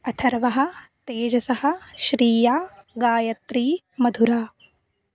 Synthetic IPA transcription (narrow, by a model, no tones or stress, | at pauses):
ɐt̪ʰɐɾʋɐɦɐ̆t̪eːd͡ʒɐsɐhɐ̆ʃɾiːjaːɡaːjɐt̪ɾiː | mɐd̪ʱuɾaː